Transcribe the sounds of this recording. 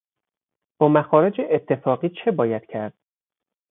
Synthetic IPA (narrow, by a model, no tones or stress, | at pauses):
b̥ɒːmæxɒːɾe̞d͡ʒeʔet̪ʰːe̞fɒːɣiːt͡ʃʰe̞bɒːjæd̪̥cʰæɾd̪̥